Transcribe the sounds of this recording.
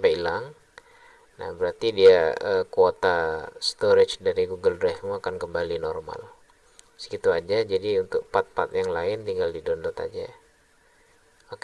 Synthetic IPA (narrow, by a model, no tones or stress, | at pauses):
pailaŋ | na̰hbəɾart̪idiaəkuot̪ast̪oɾɪt͡ʃdaɾiɡuɡəldɾɛfmuakankəmbalinɔrma̰l | skit̪uad͡ʒad͡ʒadiunt̪ʊk̚pat̪̚pat̪jaŋlaɪnt̪iŋɡaldidɔndɔt̪a̰d͡ʒa̰ | ok